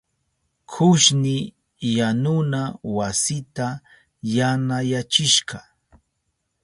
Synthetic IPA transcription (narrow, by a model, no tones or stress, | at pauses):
kʰʊʃnɪ | janʊnawasɪt̪a | janajat͡ʃɪʃɢɑ